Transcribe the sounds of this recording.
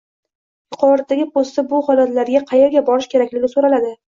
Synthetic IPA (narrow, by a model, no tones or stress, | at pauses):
jʊqʰɒɾat̪̚d̪aɡʲɪpʰost̪abʊhɒlat̪laɾɡʲaqʰɑjeɾɡʲabɒɾɪʃkʲʰe̞ɾakʲlɪɡʲɪsoɾalad̪ɪ